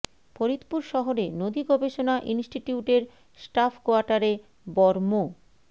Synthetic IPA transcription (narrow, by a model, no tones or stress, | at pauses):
poɾit̪puɾʃɔɦoɾenod̪iɡɔbeʃonaʔinsʈiʈiuʈeɾ | sʈafʰkoaɾʈaɾe | bɔɾmo